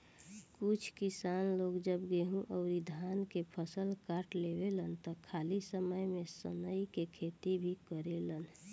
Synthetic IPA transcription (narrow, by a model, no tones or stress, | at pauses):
kʊt͡ʃʰkisanloːɡd͡ʒəbɡeɦũʔəʊɾid̪ʱankepʰəsəlkaʈlebelənt̪ɔkʰalisəməjmẽsə̰nəikekʰet̪ibʱikəɾelən